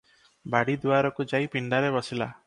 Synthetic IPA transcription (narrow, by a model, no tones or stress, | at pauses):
baɽid̪waɾɔkud͡ʒaipiɳɖaɾebɔsila̰